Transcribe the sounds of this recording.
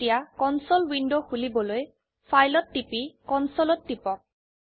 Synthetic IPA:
ijakɔnsɔlwindoxulibɔloj | pʰajlɔtːipikɔnsɔlɔtːipɔk̚

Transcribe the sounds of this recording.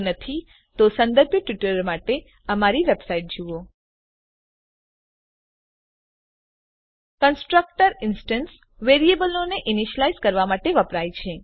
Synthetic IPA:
nət̪ʰi | t̪osə̃nd̪əɾbʱjəʈʋɪʈəɾmaʈe | əmaɾiʋebsaiʈ̚d͡ʒuo | kənsʈɾək̚ʈəɾɪnsʈəns | ʋeɾiebəloneʔiniʃəlaizkəɾʋamaʈeʋəpɾajt͡ʃʰe

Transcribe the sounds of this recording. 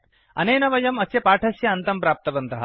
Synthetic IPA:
ɐ̰nejnɐʋɐjɐmɐsepaʈʰɐsjɐɐnt̪ɐmpɾaːp̚t̪ɐbɐnt̪ɐɦa̰

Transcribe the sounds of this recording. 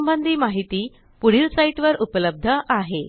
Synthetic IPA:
mbənd̪ʱiːmaɦit̪iː | puɽ̤iːlsaiʈʋəɾupləb̚d̪ʱəʔaɦe

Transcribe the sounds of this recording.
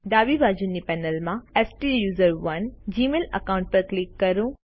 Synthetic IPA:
d̪aːʋiʋaːd͡ʑunːipɛːnəlmãɛsʈijuːzəɾʋɐnd͡ʑiːmeːlɐ̰kaːwʊ̃ɳʈ̚pɐɾklikːɐɾũ

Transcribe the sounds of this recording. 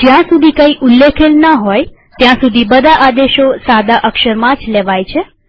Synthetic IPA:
d͡ʒjãsud̪ʱikəiʔulːekʰelnəɦɔj | t̪jãsud̪ʱibəd̪ʱaʔad̪eʃosad̪aʔəkʃəɾmãd͡ʒleʋajt͡ʃʰe

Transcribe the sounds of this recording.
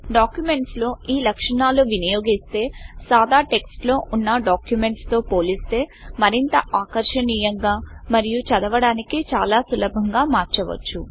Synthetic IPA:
ɖaːkjume̞ɳʈslo̞ːiːlɐkʂɐɳaːluːʋinijo̞ːɡist̪e̞ːsaːd̪aːʈe̞ksʈlo̞ːʔunːɐɖaːkjume̞ɳʈst̪o̞ːpoːlist̪e̞ːmɐɾint̪ɐʔaːkɐɾʂɐniːjɐŋɡaːmɐɾijut͡ʃɐd̪ɐʋɐɽaːnikit͡ʃaːlaːsulɐbʱɐŋɡaːmaːɾt͡ʃɐʋɐ̰t͡ʃːu

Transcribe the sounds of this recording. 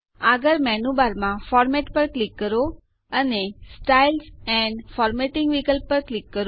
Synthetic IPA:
aɡəɾmɛnubaɾmãfɔɾmɛʈpəɾklikːəɾo | ənesʈailsɛ̃ɳɖfɔɾmeʈɪ̃ŋɡʋikəlpəɾklikːəɾo

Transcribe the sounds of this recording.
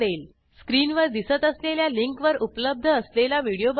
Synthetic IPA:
ɽel | skɾiːnʋəɾd̪isət̪əsleljaliŋkʋəɾupləb̚d̪ʱəəslelaʋiɽijob

